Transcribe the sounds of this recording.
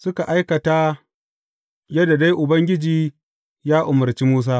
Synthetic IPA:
sʊ˦ka˨ʔa˦jkɐ˨ta˦ | jɐ˦da˨da˦jʔʊ˨bɐ˦ŋɡʲɪ˦d͡ʒiː˨ | jaː˦ʔʊ˨mʊ˨ɾt͡ʃi˦muː˦s̬aː˦

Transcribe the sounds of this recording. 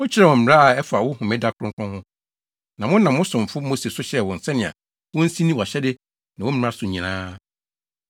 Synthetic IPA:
wɔ˦t͡ɕʰɪ˦ɾɛ˨wɔ̃˨m̩˨m˨ɾa˦a˨ɛ˦fa˨wʊ˦hʊ̃˨mɛ̃˦da˦kʰʊ˨ɾʊ̃˦kʰɔ̃˦hʊ̃˦ | nã˨mʊ̃˦nã˨mʊ̃˦sʊ̃˨m̩˨fʊ˦mo˦se˨sʊ˦ɕɛ˦wɔ̃˨n̩˨sɛ˦nɪ̃˨ã̰˨ | wɔ̃˦n̩˦sĩ˦nĩ˦wɔ˨a˨ɕɛ˦dɪ˦ | nã˨ɔ˦m̩˦˨˦a˦sʊ˨ɲĩ˨nã̰ː˦

